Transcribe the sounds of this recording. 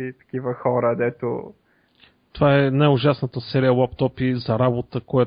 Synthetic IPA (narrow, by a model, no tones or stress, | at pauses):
it̪ɐ̥k̟ivəxɔɾəd̪ɛt̪o̰ | t̪ovaɛnajʊʒasnət̪əsɛɾiəwˠapt̪ɔpizɐɾabot̪əkoja